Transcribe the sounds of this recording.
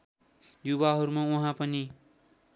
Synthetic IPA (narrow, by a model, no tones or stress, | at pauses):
juβaɦʌɾumauɦãpʌni